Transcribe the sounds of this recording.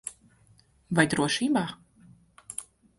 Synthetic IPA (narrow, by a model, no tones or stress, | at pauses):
vajd̪ɾuɔʃiːbaː